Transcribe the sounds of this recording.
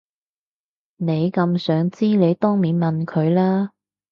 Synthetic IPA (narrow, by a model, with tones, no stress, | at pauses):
ne˨˧jkɐ˧msœː˨˥ŋt͡siː˥le˨˧jt̪ɔː˥ŋmiː˨˥nmɐ˨nkʰɵ˨˧ɥlaː˥